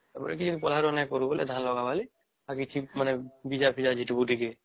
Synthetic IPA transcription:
tɛpɔ̰ɾɛ̰kid͡ʒɔd̪ipɔl̤aɾɔnajkɔɾubɔlɛ̰d̪ʱanlɔɡabali | aɾkit͡ʃʰimanɛbid͡ʒapʰid͡ʒad͡ʒʱiʈbuʈike

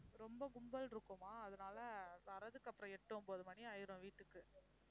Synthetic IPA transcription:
ɾɔmbɐɡʊmbɐlɾɯkːomaːðɐnaːlɐʋɐɾɐðɯkːɐpːɯɾɐ̃ɛʈːõmpoːðɯmɐniɐjɪɾõʋiːʈːɯkːɯ

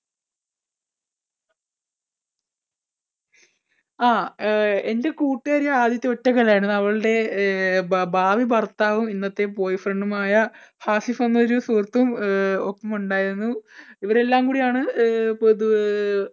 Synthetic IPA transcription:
aːe̞nde̞kuːʈːiɐɾijɐaːd̪jɐt̪ːio̞tːɐkɐlaːjɾunːɐʋɐɭɨɽe̞ | bʱaːʋibɐrt̪ːaːʋuminːɐt̪ːe̞po̞ːjifreɳɖumaːjɐhaːsifonːɐoɾusuːrt̪ːumopːɐmuɳɖaːjiɾunːuiʋɐɾe̞lːaːmkuːɽijaːɳɨ

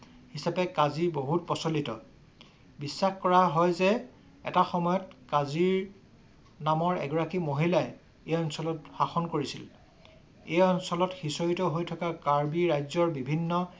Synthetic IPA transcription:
hisapɛkaziboɦut̚pɔsolitɔ̰ | bisːaxkɔɹaɦɔjzɛ | ɛ̰taxɔmɔjɔtkaziɹ | namɔɹɛ̰ɡɔɹakimoɦilaj | ejɔnsɔlɔtxaxɔnkoɹisil | ejɔnsɔlɔtxisoɹitɔɦojtʰɔkakaɹbiɹajzɔɹbibʱinːɔ

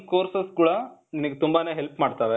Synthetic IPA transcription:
koːɾsɐskuːɽɐnimɐɡet̪umbaːne̞ːɦelpmaːɖt̪aːʋe

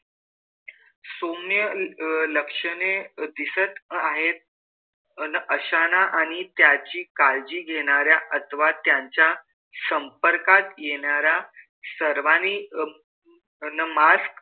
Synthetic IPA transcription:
somjələkʂəned̪isət̪aɦet̪̚ | nəʔəɕanaʔaɽ̃it̪jat͡ɕiːkald͡ʑiːɡʱeɽ̃aɾjaʔət̪ʰʋat̪jaɲt͡ɕja | səmpəɾkat̪jeɳaɾja | səɾʋani | nəmask

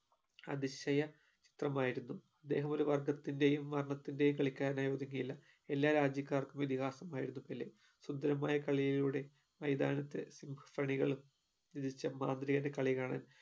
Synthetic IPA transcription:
ɐ̰d̪iɕɐjɐ | t͡ɕi̥t̪rɐmaːjiɾunːuɐd̪ːe̞̰ːɦɐmo̞ɾuʋɐrɡɐt̪ːinde̞jumʋɐrɳɐt̪ːinde̞jumkɐɭikʲːaːɾnajo̞ːd̪ɐŋːɐjilːɐ | e̞lːaːɾaːd͡ʑjɐkʲːaːrkumid̪iɣaːsɐmaːjiɾunːupɐlːḛ | sund̪ɐɾɐmaːjɐkɐɭijiluːɽe̞ | mɐjd̪aːnɐt̪ːesimbʱɐ̥frɐɳiɣɐɭum | id̪it͡ɕːɐmaːnd̪ɾiɣɐndekɐɭiɣaːɳa̰ːn

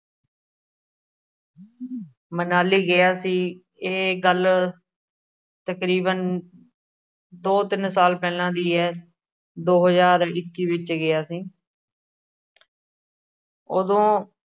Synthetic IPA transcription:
mənaːliːɡɪjaːsiː | eːɡəl | t̪əkɾiːbən | d̪oːt̪ɪnsaːlpɛːlãːd̪iːɛː | d̪oːɦəzaːɾɪkːiːʋɪt͡ʃɡɪjaːsiː | od̪õː

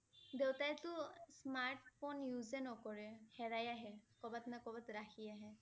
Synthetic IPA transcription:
dewtajtʊsmaɹʈpʰɔnjuzɛnɔkɔɹɛhɛɹajaɦɛkɔbatnakɔbatɹaxʰiaɦɛ

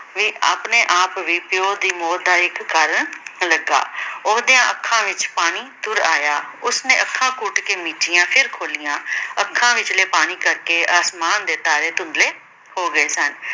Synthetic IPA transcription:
ʋiːʔa̰ːpneːʔaːpʋiːpjoːd̪iːmoːt̪̚d̪aːɪkkːaːɾəɳləɡːa̰ːʊɦd̪ijãːʔəkʰːãːʋɪt͡ʃpaːniːt̪ʊɾaːjaːʊsneːʔəkʰːãːkʊʈkeːmiːʈɪjãːpʰɪɾkʰoːlɪjãːəkʰːãːʋɪt͡ʃleːpaːniːkəɾkeːaːsmaːnd̪eːt̪aːɾeːt̪ʊ̃nd̪leː | hoːɡəeːsən

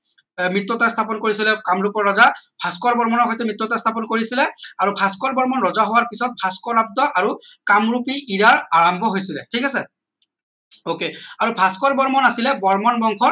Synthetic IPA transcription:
mɹitːɔtastʰapɔnkoɹisilɛkamɹupɔɹɔzabʰʱaskɔɹbɔɹmɔnɔɹxɔjtɛmɹitːɔtast̪ʰapɔnkoɹisilɛaɹupʰaskɔɹbɔɹmɔnɹɔzaɦowaɹpisɔt̚pʰaskɔlab̚dɔʔaɹukamɹupiʔiɹaɹaɹambʱɔɦojsilɛ̰tʰikasɛ | okeaɹubʰʱaskɔɹbɔɹmɔnasilɛbɔɹmɔnbɔŋkʰɔ

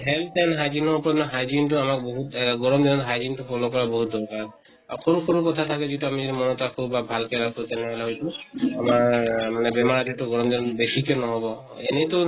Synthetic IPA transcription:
ɦɛlanɦajzinɔɹupɔɹɔnɦajd͡ʒintʊamak̚boɦutɡɔɹɔmd̪ɔnɔtɦajzintupʰɔlɔkɔɹaboɦut̚d̪ɔɹkaɹ | ɔkʰɔɹukʰɔɹukɔt̪ʰatʰakɛzituamizɔdimɔnɔtakʰɔbabʱalkɛɾakɔut̪ɛnɛɦɔlɛɦojtuamamanɛbɛmaɹatitʊɡɔɹɔmd̪inɔtbesikɔnɔɦɔbɔ | ɛnɛtu

